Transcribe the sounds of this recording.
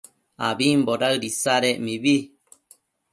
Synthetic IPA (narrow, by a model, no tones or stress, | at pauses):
aβimboɾaɨɾisaɾemiβi